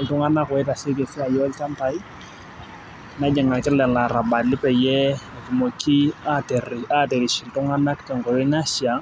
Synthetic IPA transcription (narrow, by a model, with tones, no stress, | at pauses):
lɪ˨tʊ˦ŋa˦na˦kɛ˦ta˨sɪ˦ke˨fi˦a˨jɔ˦lta˦n˦ta˨˦j | na˨˦d͡ʒɛ˨ŋa˨lkɪ˦lɛ˨la˨ɾa˨ba˨lɪ˦pɛ˨jɛ˦a˨tu˨mo˨ki˦a˦te˨ra˦te˨ɾi˨ʃi˨ltʊ˦ŋa˦na˦kɪ̥tɛ˨ŋkɔ˨jɔ˦ɲa˦ʃi˨a˨